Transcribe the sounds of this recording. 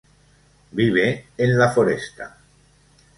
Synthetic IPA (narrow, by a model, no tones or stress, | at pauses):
biβ̞eːnlafoɾḛst̪a